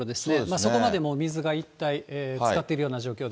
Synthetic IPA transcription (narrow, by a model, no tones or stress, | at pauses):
od̪e̞sɨ̥nemaːsso̞ko̞mad̪e̞mo̞mʲizɨɡait̪ːaieːt͡sɨ̥kat̪ːe̞iɾɯ̟jo̞ːnaʑo̞ːkʲo̞ːd̪